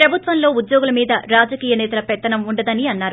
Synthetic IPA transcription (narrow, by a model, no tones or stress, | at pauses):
pɾɐbʱut̪ʋɐmlo̞ːud̪jo̞ːɡulɐmiːd̪ɐɾaːd͡ʒɐkiːjɐnɛːt̪ɐlɐpɛt̪ːɐnɐmuɳɖɐd̪ɐniɐnːaːɾu